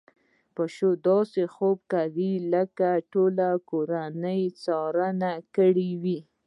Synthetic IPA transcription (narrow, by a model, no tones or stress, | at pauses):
pəʃod̪ɑsexob̚kawiləkaʈolakoɾanəjt͡sɑɾənakəɽiwi